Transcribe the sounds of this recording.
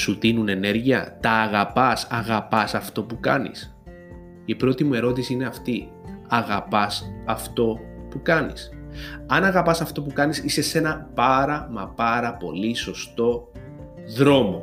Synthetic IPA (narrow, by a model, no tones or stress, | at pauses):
sut̪inune̞ne̞ɾʝiɐ̰t̪ɐːɣɐpɐsɐɣɐpɐsɐft̪o̞pukɐnḭs | ipɾo̞t̪imue̞ɾo̞t̪isiine̞ɐft̪i | ɐɣɐpɐsɐft̪o̞pukɐnḭsɐnɐɣɐpɐsɐft̪o̞pukɐnisise̞se̞nɐpɐɾɐmɐpɐɾɐpo̞liso̞st̪o̞ | ðɾo̞mo̞